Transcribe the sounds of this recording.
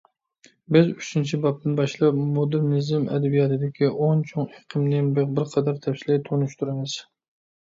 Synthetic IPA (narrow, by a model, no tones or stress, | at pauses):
bɪzyt͡ʃʰint͡ʃʰibɑp̚t̪ɪnbɑʃlˠɑpmod̪ɨɾnɪzɪmɛ̰d̪ɛbijɑt̪ʰɨd̪ɪkʲʰiʔont͡ʃʰoŋeqʰɨmnɪbeq̚bɪɾqʰɑd̪ɑɾt̪ʰɛfsɪlɪt̪ʰonuʃt̪ʰuɾɪmɪz̥